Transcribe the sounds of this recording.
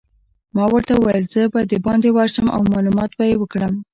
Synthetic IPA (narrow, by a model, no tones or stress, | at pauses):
mɑwəɾt̪auwajəlz̥əbad̪əbɑnd̪ewɑɾʃəmʔa̰wmɑlumɑt̪bajewəkɽəm